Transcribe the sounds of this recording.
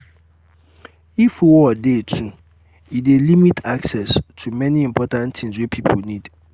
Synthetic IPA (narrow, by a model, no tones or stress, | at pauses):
ifwɔdetʰũ | idelimitʰaksɛstʰumɛ̃nĩĩmpʰɔtãntʰĩŋswepʰipʰonĩd̥